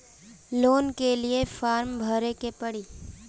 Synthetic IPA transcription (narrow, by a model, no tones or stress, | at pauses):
loːnkeliefaːɾmbʱəɾekepɐɽiː